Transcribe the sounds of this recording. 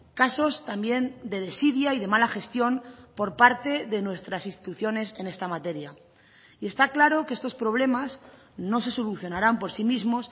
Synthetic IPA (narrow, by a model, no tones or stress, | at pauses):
kaso̞st̪ambje̞nd̪e̞ð̞e̞siðjaiðe̞malaxe̞st̪jo̞npo̞ɾpaɾt̪e̞ðe̞nwe̞st̪ɾasinst̪i̥t̪uθjo̞ne̞se̞ne̞st̪amat̪e̞ɾja | ie̞st̪aklaɾo̞kee̞st̪o̞spɾo̞β̞le̞maz | no̞se̞so̞luθjo̞naɾampo̞ɾsimizmo̞s